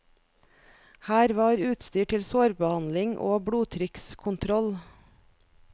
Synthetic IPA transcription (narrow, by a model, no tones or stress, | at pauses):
hæːɾʋɑːɾʉːt̪st̪yːʈʰɪlsoːɾbəhɑnlɪŋʔo̰ːbɽuːt̪ʰɾɪkskʰʊnt̪ʰɾɔl